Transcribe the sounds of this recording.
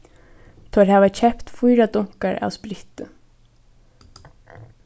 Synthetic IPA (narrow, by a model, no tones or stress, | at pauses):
t̪ʰɔɾhaːvacʰɛpt̪fujɾat̪ʊŋ̥kaɹa̰ːwspɾɪht̪ə